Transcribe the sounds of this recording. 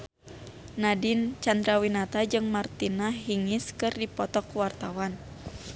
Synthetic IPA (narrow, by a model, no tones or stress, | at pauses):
nadint͡ʃand̪ɾawinat̪ad͡ʒɨŋmart̪inaɦiŋiskɨrdipɔt̪ɔkuwart̪awan